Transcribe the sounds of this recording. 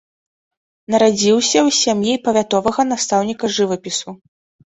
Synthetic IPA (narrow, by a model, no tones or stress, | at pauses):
nɐɾad͡zʲiwsʲɐwsʲamjipɐvʲat̪ɔvɐɣɐn̪ast̪awnʲikɐʐɨvɐpʲisu